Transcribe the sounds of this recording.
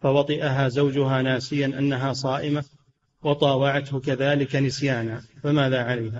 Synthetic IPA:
fawɑt̪ˤɨʔaɦaːzawd͡ʒʊɦaːnaːsɪjanʔa̰nːaɦaːsˤɑːʔɪma | wɑt̪ˤɑːwɑʕat̪hʊkaðaːlɪkanɪsjaːnaːfamaːðaːʕalajɦaː

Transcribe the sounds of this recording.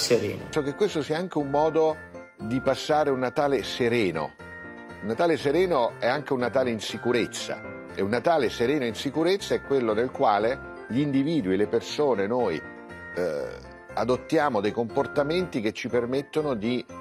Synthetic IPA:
seɾɛ̰ːnosɔk̟ekːwest̪osiːaaŋk̟eumːɔːd̪o | d̪ipasːaːɾeunːat̪aːleseɾɛːno̰ | unːat̪aːleseɾɛːnoɛaŋk̟eunːat̪aːleinsikuɾet̪sːa̰ | eunːat̪aːleseɾɛːnoinsikuɾet̪sːaɛkːwelːonelkwaːle | ʎind̪iviːd̪uilepersoːnenoj | ad̪ot̪ːjaːmod̪ejkomport̪ament̪ik̟et͡ʃːipermet̪ːonod̪i

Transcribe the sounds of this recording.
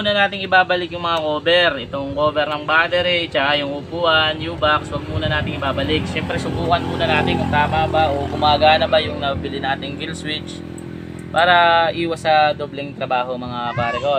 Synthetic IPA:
uːnɐnaːt̪ɪŋɪbaːbɐlɪkjʊŋmɐŋakoːbɛɾʔɛt̪oŋkoːbɛɾnɐŋbaːd̪ɛɾɪt͡ʃɐkajʊŋʊpuːʔɐnjuːbakswɐɡ̚muːnɐnaːt̪ɪŋɪbaːbɐlɪk̚ʃɛmpɾɛsʊbuːkɐnmuːnɐnaːt̪ɪnkʊŋt̪aːmaːbaʔoɡʊmaːɡaːnɐbɐjʊŋnɐbɪbɪlɪnaːt̪ɪŋɡilswɪt͡ʃ | paːɾɐʔiːwɐsɐd̪oːblɛŋt̪ɾɐbaːɦo̞mɐŋapaːɾɪko

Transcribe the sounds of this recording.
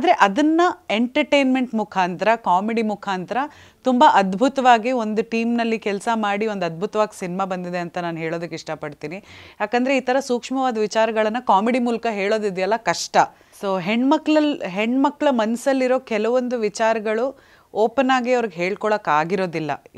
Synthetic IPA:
aːd̪ɾe̞ʔɐd̪ɐnːɐeɳʈɐɾʈeːnmeɳʈmukʰaːnt̪ɐɾɐkaːmeɽimukʰaːnt̪ɐɾɐ | t̪umbɐʔɐd̪bʱut̪ɐʋaːɡio̞nd̪uʈiːmnɐlːikɛlsɐmaːɽio̞nd̪ɐd̪̚bʱut̪ɐʋaːɡisinimaːbɐnd̪id̪e̞ɐnt̪ɐnaːnɦeːɭo̞ːd̪ɐkːeiʂʈɐpɐɽt̪iːnijaːkɐnd̪ɾe̞iːt̪ɐɾɐsuːkʂmɐʋaːd̪ɐʋit͡ʃaːɾɐɡɐɭɐnːɐkaːmeɽimuːlɐkɐɦe̞ːɭo̞ːd̪id̪jɐlːɐkɐʂʈɐ | soːɦeɳɖmɐkːɭɐlɦeɳɖmɐkːɭɐmɐnɐsɐlːiɾo̞ːkɛlɐʋond̪uʋit͡ʃaːɾɐɡɐɭu | oːpɐnaːɡiɐʋɐɾiɡeɦeːɭkɔɭɐkːaːɡiɾo̞ːd̪ilːɐ̰

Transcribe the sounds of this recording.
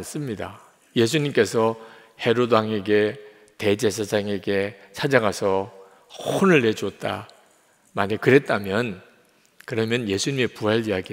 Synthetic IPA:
ns͈ɯmɲida̰ | je̞s̬ʰuɲimk͈e̞sʰʌ | he̞ɾodaŋe̞ɡe̞ | te̞d͡ʑe̞s̬ʰad͡ʑaŋe̞ɡe̞t͡ɕʰad͡ʑaɡasʰʌ | onɯɭːe̞d͡ʑuot̚t͈a̰ | maɲekɯɾe̞t̚t͈amjʌn | kɯɾʌmjʌnje̞sʰuɲime̞puɦaɭijaɡi

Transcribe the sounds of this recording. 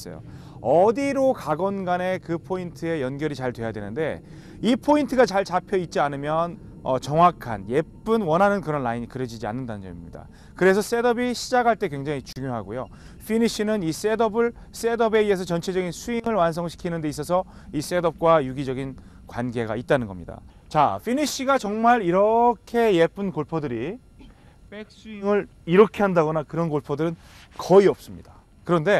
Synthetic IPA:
s͈ʌ̰jo̰ | ʌdiɾokaɡʌnɡane̞kɯpʰointʰɯe̞jʌnɡjʌɾit͡ɕaɭtwe̞jadwe̞nɯnde̞̰ | ipʰointʰɯɡat͡ɕaɭt͡ɕapʰjʌit̚t͡ɕ͈ianɯmjʌn | ʌt͡ɕʌŋwakʰa̰nje̞p͈ɯnwʌnɦanɯnkɯɾʌnlaiɲikɯɾjʌd͡ʑid͡ʑia̰nːɯndanɯnd͡ʑʌ̰imɲida̰ | kɯɾe̞sʰʌs͈e̞dʌbiɕʰid͡ʑakʰaɭt͈e̞kwe̞ŋd͡ʑaŋit͡ɕuŋjoɦaɡojo̰ | fʰiniɕʰinɯnis͈e̞dʌbɯɭ | s͈e̞dʌbe̞ie̞s̬ʰʌt͡ɕʌnt͡ɕʰe̞d͡ʑʌɡinsʰuiŋɯɭwansʰʌŋɕʰi̥kʰinɯnde̞is̬͈ʌs̬ʰʌ | is͈e̞dʌp̚k͈wajuɡid͡ʑʌɡin | kwanɡe̞ɡa̰it̚t͈anɯnɡʌ̰mɲida̰ | t͡ɕa̰ɸʰiniɕ͈ʰiɡat͡ɕʌŋmaɾiɾʌkʰe̞je̞p͈ʰɯnkoɭpʰodɯɾi | pe̞k̚s͈uiŋɯɭ | iɾʌkʰe̞ɦandaɣʌnakɯɾʌnkoɭpʰodɯɾɯnkʌiʌp̚s͈ɯmɲid̥a | kɯɾʌnde̞

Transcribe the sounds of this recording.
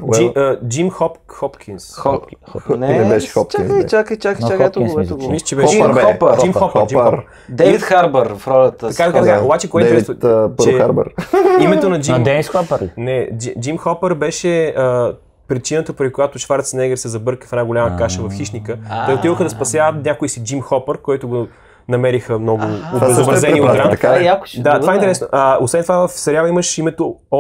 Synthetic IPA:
d͡ʒiəd͡ʒimxɔpxɔpkʰinsɔnnɛbɛʃɛ̥xɔpt͡ʃainit͡ʃakəit͡ʃakt͡ʃakɛt̪ɡɛmist͡ʃɛbɛʃɔpd͡ʒimxɔpəd͡ʒixɔɾp | d̪ɛvit̪xaɾbəɾfɾɔlɐt̪əɐkat̪ɐkat̪ɐkaobat͡ʃɛkoɛiɛɛɛpəɾɛxaɾbə̰ɾimɛt̪onɐd͡ʒinmd̪sɔpɾnɛd͡ʒid͡ʒimxɔpəɾbɛʃɛə | pɾit͡ʃinət̪əpɾikojat̪ʊʃfaɾt̪snɛɡɛɾsɛzɐbɤɾkəfɛnaɡolʲaməkaʃəvɐfxiʃnikət̪ɛot̪ivəxəd̪ɐspɐsjavət̪nʲakʊisid͡ʒimxɔpəɾkoit̪ʊɡo | nɐmɛɾixəmnɔɡʊːbɛzobɾɐzɛnioɡ̪ɾakajak̪at̪ovaɛinɛɾɛsnoʔɐosvɛnt̪ovavɐfsɐɾʲjaviməʃimɛt̪o

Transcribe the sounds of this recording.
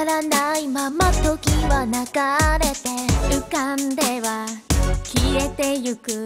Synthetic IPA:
ɾanaimamat̪okʲiβanaɡaɾe̞t̪e̞ɯ̟kand̪e̞βakʲiɾe̞t̪e̞jɯkɯ

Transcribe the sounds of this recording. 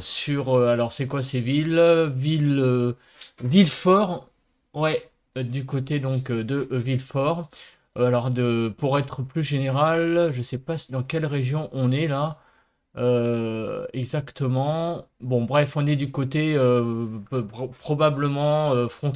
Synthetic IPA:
syʁøalɔʁsɛkwasevilvilø | vilfɔʁ | wɛ | d̪ykot̪ed̪ɔ̃kød̪əʔvilfɔʁ | alɔʁd̪əpuʁɛt̪χəplyʒeneʁalʒəsɛpasd̪ɑ̃kʲɛlʁeʒjɔ̃ʔɔ̃nɛla | ø | ɛɡzakt̪əmɑ̃bɔ̃bʁɛfɔ̃nɛd̪ykot̪eø | pχɔbabləmɑ̃øfχɔ̃

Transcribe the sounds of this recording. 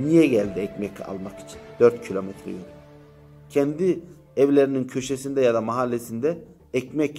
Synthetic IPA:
nijɛɟælʲd̪iɛcmɛca̰lˠmaki̥t͡ʃʰi̥nd̪øɾt̪cʰilʲo̞mɛt̪ʰɾḛjinʲy | cʰɛnd̪i | ɛvlʲeɾinincʰø̞ʃesind̪ɛjad̪amaɦalʲːesind̪ɛː | cmɛc

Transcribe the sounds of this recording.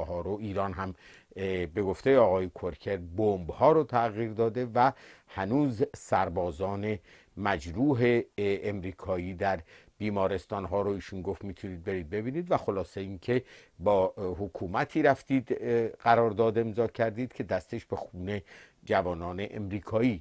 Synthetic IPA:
ɦɒːɾoiːɾɒːnɦæm | be̞ɡo̞ft̪e̞jeɒːɣɒːjekʰoɾcʰe̞ɾbombhɒːɾot̪ʰæɣiːɾd̪ɒːd̪e̞væhænuːzsæɾbɒːzɒːne̞ | mæd͡ʒɾuːɦe̞ːmɾiːkʰɒːiːd̪æɾ | b̥iːmɒːɾe̞st̪ɒːnɦɒːɾoiːʃunɡo̞ft̪mit̪ʰuniːd̪̚be̞ɾiːd̪̚be̞biːniːd̪væxo̞lɒːse̞iːncʰe̞bɒːhokʰuːmæt̪ʰiːɾæft̪iːd̪ɢæɾɒːɾd̪ɒːd̪e̞mzɒːcʰæɾd̪iːd̪̥kʰe̞d̪æst̪e̞ʃb̥e̞xuːne̞ | d͡ʒævɒːnɒːne̞ʔḛmɾiːkʰɒːiː

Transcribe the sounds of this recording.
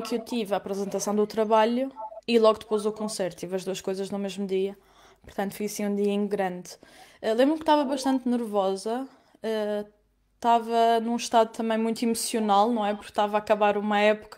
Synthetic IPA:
kewt̪ivaːpɾɨzẽnt̪ɐsɐ̃w̃d̪ut̪ɾɐβaʎuilˠɔɣd̪ɨpojzukõseɾt̪t̪ːivɐʒd̪uɐʃkojzɐʒnumeʒmud̪iɐ | puɾt̪ɐ̃nt̪fujɐsĩũd̪iɐĩɡɾɐ̃nd̪ɛlˠẽmbɾumkt̪avɐβɐʃt̪ɐ̃nt̪nɨɾvɔzɐ | ɛ | t̪avɐnũʃt̪aðjut̪ɐmɐ̃j̃mũj̃t̪imusiunalˠnɐ̃w̃ɛpuɾkt̪avakɐβaɾumɐɛpu̥kɐ

